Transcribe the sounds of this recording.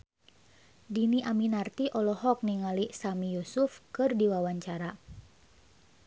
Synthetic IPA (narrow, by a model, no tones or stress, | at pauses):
diniʔaminart̪iʔɔlɔɦɔk̚niŋalisamijusʊfkɨrdiwawaɲt͡ʃaɾa